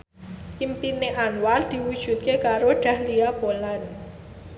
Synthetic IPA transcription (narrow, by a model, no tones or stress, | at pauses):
ʔimpineʔanward̪̥i̤wud̥ʒ̥ṳt̪̚kekaɾoɖ̥a̤hliab̥olan